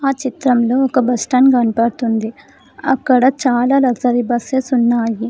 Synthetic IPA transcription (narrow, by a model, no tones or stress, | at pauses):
aːt͡ʃit̪ɾɐmlo̞ːɔkɐbɐsʈɐnɡɐnipɐɽt̪und̪i | ɐkːɐɽɐt͡ʃaːlaːlɐksɐɾibɐsesunːaːji